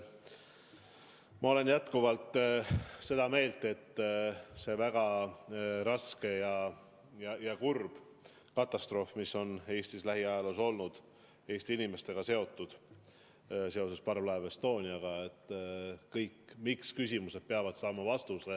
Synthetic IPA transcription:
mɑo̞le̞njæt̪kuvɑlt̪ː | se̞d̪̥ɑme̞ːlt̪e̞t̪ːˑse̞væɡ̥ɑ | ɾɑske̞jɑ | jɑjɑkurb̥ | kɑt̪ːˑɑst̪ro̞ːfmisːo̞ne̞ːst̪islæɦiɑjɑluso̞lnud̪̥ | e̞ːst̪iinʲime̞st̪e̞ɡ̥ɑse̞o̞t̪ːˑud̪̥ | se̞o̞se̞spɑrvlɑevest̪o̞ːnʲiɑɡ̥ɑet̪ːˑkɤjkːmikskysʲimuse̞d̪̥̚peɑvɑd̪̥sɑːmɑvɑst̪use

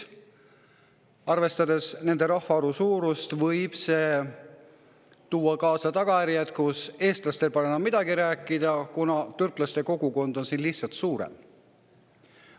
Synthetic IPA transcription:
ɑrve̞st̪ɑd̪e̞sne̞nd̪e̞ɾɑhfɑoɾusuːɾust̪vɤjb̥se̞ː | t̪uːɑkɑːsɑt̪ɑɡ̥ɑjæɾiɑt̪kuse̞ːst̪lɑst̪e̞lpɑnenɑmːid̪̥ɑɡiɾæːkːˑid̪̥ɑkunɑt̪yrkˑlɑst̪e̞ko̞ɡ̥uko̞nd̪̥o̞nsiːnlihsɑlt̪suːɾḛm

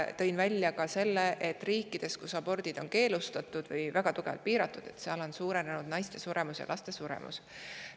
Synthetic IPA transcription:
t̪ɤ̞jnvælʲjɑkɑse̞lːeʔet̪ːˑriːkːˑid̪̥e̞skusɑbo̞rd̪̥id̪̥o̞nke̞ːlust̪ɑt̪ːˑud̪̥vɤjvæɡ̥ɑt̪uɡ̥e̞vɑ̰lt̪̚piːɾɑt̪ːˑud̪̥e̞t̪seɑlo̞nsuːɾenenud̪̥nɑjst̪esuɾe̞musjɑ̰lɑst̪e̞suɾḛmṵs

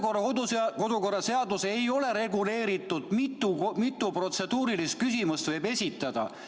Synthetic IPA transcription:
korɑod̪uko̞d̪uko̞rːɑse̞ɑd̪use̞jo̞le̞ɾe̞ɡule̞ːɾit̪ːˑud̪̥mit̪ːˑumit̪ːˑupro̞t̪se̞d̪uːɾilist̪̚kysimust̪vɤ̞jbe̞sʲit̪ːˑɑd̪̥ɑ̰

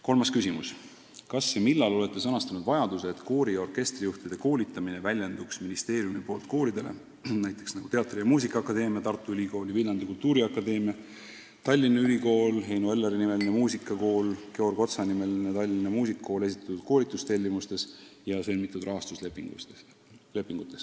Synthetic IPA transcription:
ko̞lmɑskysimus | kɑsːemilːɑlo̞le̞t̪ːˑesɤnɑst̪ɑnud̪vɑjɑd̪̥useːt̪ko̞ːɾio̞rke̞st̪rijuht̪id̪̥e̞ko̞ːlʲit̪ːˑɑmine̞vælʲjend̪̥uksminist̪e̞ːɾjumipo̞ːlt̪ko̞ːɾid̪e̞le̞̰ | næjt̪ːˑeksnɑɡut̪e̞ɑt̪ːˑrijɑmuːsikːˑɑɑkːˑɑd̪e̞ːmiɑt̪ɑrt̪ːˑuyliko̞ːlivilːɑnd̪ikult̪uːɾiɑkːˑɑd̪e̞ːmiɑ | t̪ɑlʲːinːɑylʲiko̞ːlɦe̞jnoe̞lːeɾinime̞linemuːsikːˑɑko̞ːlke̞o̞rɡ̥o̞t̪sɑnime̞linet̪ɑlʲːinɑmuːsikːo̞ːle̞s̬i̥t̪ːˑɑ̥t̪ud̪̥̚ko̞ːlʲit̪ːˑust̪e̞lʲːimust̪e̞sjɑsenmit̪ːˑud̪rʔɑɦɑst̪uslepːˑiŋ | le̞pːˑiŋɡ̥ut̪ːˑe̞s

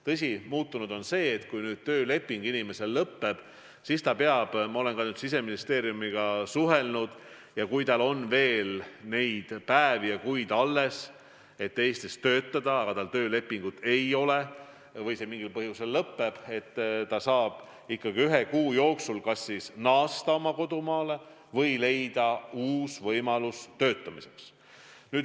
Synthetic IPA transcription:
t̪ɤs̬ʲimuːt̪ːunud̪̥o̞nse̞ːt̪kujnyːd̪̥̚t̪øːle̞pːiŋɡ̥inime̞se̞llɤpːe̞b̥ | sist̪ɑpeɑb̥mɑo̞le̞nkɑnyːd̪̥sis̬e̞minist̪e̞ːɾijumiɡ̥ɑsuɦe̞lnud̪̥ | jɑkujt̪ɑlo̞nve̞ːlne̞jd̪̥pæevijɑkujd̪ɑlːe̞s | e̞t̪ːe̞ːst̪ist̪ø̞ːt̪ːˑɑd̪ɑːɡ̥ɑt̪ɑlt̪ø̞ːle̞pːˑiŋɡut̪ːˑe̞jo̞le̞ | vɤjse̞miŋɡ̥ilpɤɦjuse̞lːɤpːe̞b̥e̞t̪ːt̪ːɑsɑːb̥ | ikːɑɡiyɦe̞kuːjo̞ːksulkɑsːisnɑːst̪ɑo̞mɑko̞d̪umɑːle̞ | vɤjle̞jd̪̥ɑuːsvɤjmɑlust̪ø̞ːt̪ːˑɑmise̞ks | nyːd̪

